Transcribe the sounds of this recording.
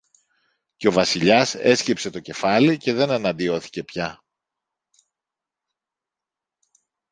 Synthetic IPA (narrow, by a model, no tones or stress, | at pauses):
ceo̞vɐsiʎɐse̞scepse̞t̪o̞ce̞fɐlice̞ðe̞nenɐnd̪io̞θi̥ce̞pçɐ